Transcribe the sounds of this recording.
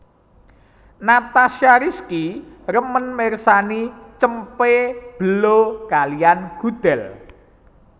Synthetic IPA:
nat̪aʃaɾiskirəmənmersanit͡ʃəmpeb̥əlokalianɡ̥ud̪̥ɛl

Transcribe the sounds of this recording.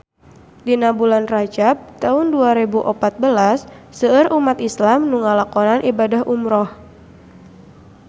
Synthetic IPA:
dinabulanrad͡ʒap̚t̪aʊnduaɾebuʔɔpat̪̚bəlasːəːrʔumat̪islamnuŋalakɔnanʔibadaɦumɾɔh

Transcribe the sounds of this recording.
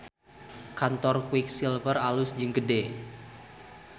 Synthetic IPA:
kant̪ɔrkwɪk̚silvəralʊsd͡ʒɨŋɡəde

